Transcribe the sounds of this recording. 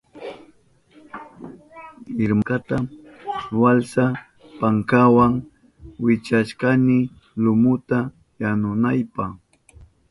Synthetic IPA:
ɪɾmkat̪a | walsa | paŋkawaŋ | wɪt͡ʃaʃkanɪ | lʊmʊt̪a | janʊnajpaχ

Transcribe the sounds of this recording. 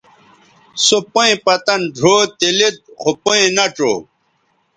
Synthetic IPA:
sopoĩpɐt̪ɐnɖʱoːt̪ilit̪̚xopoẽnɐʈ͡ʂo̰ː

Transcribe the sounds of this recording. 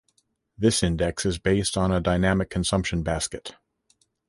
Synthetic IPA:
ðɪsɪ̃ndɛksɨzbeɪstn̩ədaɪnæmɨkʰn̩sʌ̃mpʃɨ̃nbæskɨt̚

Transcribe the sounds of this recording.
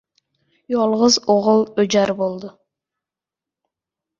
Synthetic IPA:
jolˠʁəzoʁʊlˠød͡ʒɑɾbolˠd̪ʊ

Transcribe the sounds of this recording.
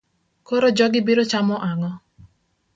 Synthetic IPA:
kɔɾɔd͡ʒɔɡɪbiɾot͡ʃamɔʔaŋɔ

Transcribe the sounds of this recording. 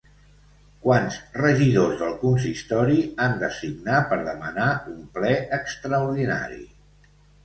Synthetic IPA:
kwanzrəʒiðozðəlˠkuns̬ist̪ɔɾiand̪əsiɡnapəɾðəmənaumplɛʔəkst̪ɾəuɾðina̰ɾḭ

